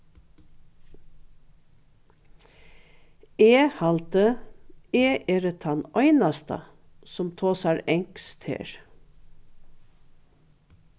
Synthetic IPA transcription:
eːhɑlt̪ə | eːʔeːɾət̪ʰɑnœʏnɑst̪ɑ̰ | sɔmt̪ʰoːsɑɾɛŋkst̪hḛːɹ

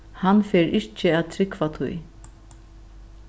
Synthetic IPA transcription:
hanfɛːɾʔɪt͡ʃɪæːðt̪ʰɾɪkvat̪ʰṵj

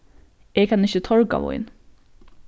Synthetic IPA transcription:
eːkɑnɪçət̪ʰɔɹkɑ̰ʋɔ̰ɪ̰n

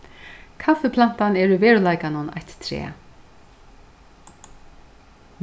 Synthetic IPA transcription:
kʰafʏpʰlan̥t̪anɛɾʏvɛːɹʏlajkanʊna̰jt̪t̪ʰɾɛ̰ːa

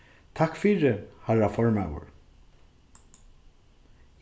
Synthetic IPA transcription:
t̪ʰakfiːɾəhaɹafɔɹmawə̰ɹ

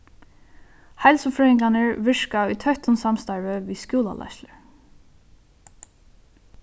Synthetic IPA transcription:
hajlsʊfɹɛɪŋklanəɹvɪʂkaʊjt̪ʰœht̪ʊnsamst̪aɹvəʋiːskjuːlˠa̰lʔa̰ʃləɹ

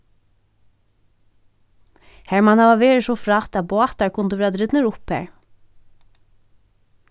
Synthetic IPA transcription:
hæɹmanaʋaʋeːɹɪsɔfɾat̪æðboːt̪aɹkʰʊnt̪d̪əʋeːad̪ɾɪd̪nəɾʊphæ̰ːɹ

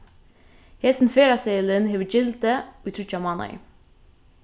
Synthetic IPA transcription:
heːsn̩feːɾɑseːlənheːʋəd͡ʒɪlt̪əoːiːt̪ʰɾʏt͡ʃɑmɑːnɑ̰ɪ̰

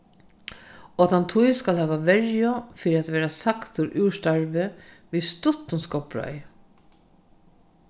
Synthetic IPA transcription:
ɔːt̪ʰant̪ʰujskalhɛːʋaʋɛɹjʊfiːɾɪat̪ʋeːɾasakt̪ʊɾʔʉːʂt̪aɹʋɪ | ʋiðst̪ʊt̪ʊnskɔpɹœ̰j

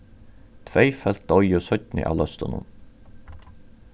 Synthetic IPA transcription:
t̪ʰʋeɪfɛlt̪ɔʏəsœt̪nɪ̰ʔɑ̰lœst̪ənʊ̰n

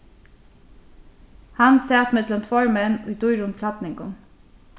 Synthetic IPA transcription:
hɑnsɛːt̪mɛd̪lɔmt̪ʰʋoːɹmɛnʉ̰ːd̪uʏɾʊmk̪ʰlɑbnɪŋɡʊn

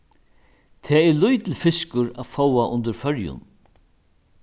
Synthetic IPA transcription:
t̪ʰɛːɛɾlʊjt̪ʰɪlfɪskʊɾafowaʔʊnt̪əɾfœɾjʊ̰n

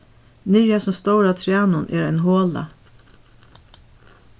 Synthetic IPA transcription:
nɪɾjasɔmst̪ɔwɾat̪ʰɾjaːnʊnʔɛ̰ɾaɪnɦoːla̰

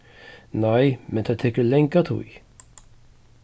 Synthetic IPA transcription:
naɪmɛnt̪ʰat̪ʰɛkəlɛŋkat̪ʰṵj

